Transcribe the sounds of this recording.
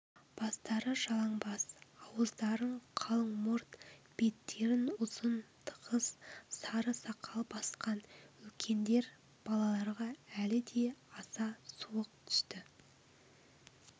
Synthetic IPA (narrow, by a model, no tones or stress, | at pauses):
b̥ɑst̪ɑɾəʒɑlˠɑɴbɑsɑwəzd̪ɑɾəɴqʰɑlˠəɴmʊɾt̪b̥e̞t̪ːe̞ɾɪnʊz̥ənt̪ʰə̥qəssɑɾəsɑqʰɑlˠbɑsqɑnɵlkʲʰe̞nd̪e̞ɾ | b̥ɑlˠɑlˠɑɾʁɑælɪd̪e̞ɑsɑsuwəq̚t̪ʰʏ̥st̪ɪ